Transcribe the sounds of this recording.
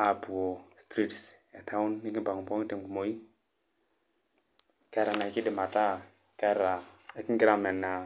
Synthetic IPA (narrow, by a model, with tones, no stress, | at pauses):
a˨bu˨o˨stɾi˦ts | ɛ˨tʰa˦u˦nːi˦ki˦pa˨ŋu˨mpɔ˦te˨mɡu˨mo˨i˦ | kɛ˦ɾa˨na˨i˨ki˦di˨ma˨ta˦ | kɛ˦ɾa˨e˨ki˦ŋɡi˦ɾa˦˨mɛ˨nːa˨